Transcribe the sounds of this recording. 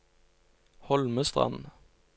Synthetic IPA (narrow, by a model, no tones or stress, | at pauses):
hɔlməst̪ʁɑ̰nn̩